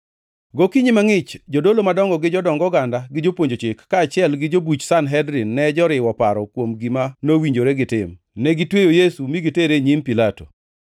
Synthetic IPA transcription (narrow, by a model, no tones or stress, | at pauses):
ɡokiɲimaŋɪt͡ʃd͡ʒodolomadɔŋɡɔɡɪd͡ʒɔdɔŋɡɔɡandaɡɪd͡ʒopwoɲd͡ʒot͡ʃɪkːaːt͡ʃɪɛlɡɪd͡ʒobut͡ʃsanɦɛdɾɪnːɛd͡ʒɔɾɪwɔpaɾɔkwomɡimanowiɲd͡ʒoɾɛɡɪtɪm | nɛɡɪtwejojesumiɡiteɾeɲimpilato̰